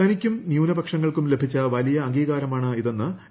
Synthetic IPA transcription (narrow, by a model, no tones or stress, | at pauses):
ɐnikʲːumnjuːnɐbɐkʂɐŋːɐɭkumle̞bʱit͡ɕːɐʋɐlijɐːŋɡiːɣaːɾɐmaːɳɨiðe̞nːɨ